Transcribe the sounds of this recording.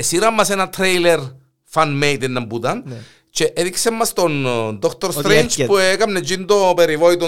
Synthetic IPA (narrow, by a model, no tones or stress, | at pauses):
esiɾamːasenat̪ʰɾejleɾ | fanmejt̪enːambud̪an | t͡ʃeʔet̪iksemːast̪ond̪ɔkʰt̪oɾst̪ɾent͡ʃpuekamned͡ʒind̪opeɾiʋojt̪o